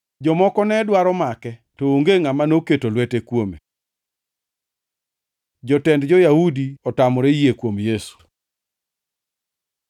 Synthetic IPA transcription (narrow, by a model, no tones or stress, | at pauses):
d͡ʒɔmɔkɔnɛdwaɾɔmakɛtooŋɡeŋamanoketolwɛtekwome | d͡ʒɔtɛndd͡ʒɔjahudiɔtamɔɾejekwomjesu̥